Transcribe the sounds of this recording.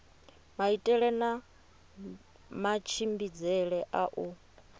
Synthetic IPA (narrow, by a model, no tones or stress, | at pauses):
maitʼɛɺɛna | mat͡ʃʰimbid͡zɛɺɛʔaʔu